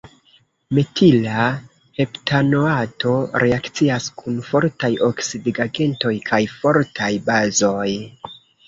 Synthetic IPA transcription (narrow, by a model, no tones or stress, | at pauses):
metʰila | he̞ptʰanoato̞ɾe̞akt͡siaskʰunfo̞ɾtajʔo̞ksidɡaɡe̞nto̞jkʰajfo̞ɾtʰajbazo̞j